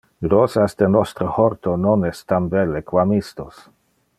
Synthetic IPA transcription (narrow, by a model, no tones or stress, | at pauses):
ɾɔsasd̪enɔst̪ɾohoɾt̪ononɛst̪ambɛlːekwamist̪os